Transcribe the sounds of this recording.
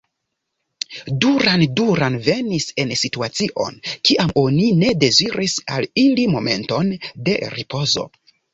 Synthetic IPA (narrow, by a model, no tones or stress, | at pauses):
duɾanduɾanve̞nise̞nsituat͡siʔo̞̰nkiʔamo̞nine̞de̞ziɾʔisa̰lilimo̞me̞̰nto̞nde̞ɾipʰo̞zo̞̰